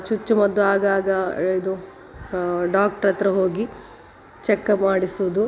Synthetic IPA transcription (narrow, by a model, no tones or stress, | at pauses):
t͡ʃut͡ʃːumɐd̪ːuaːɡaːɡɐid̪u | ɖaːk̚ʈɐɾɐt̪ɾɐɦo̞ːɡi | t͡ʃɛkːɐmaːɽisuʋud̪u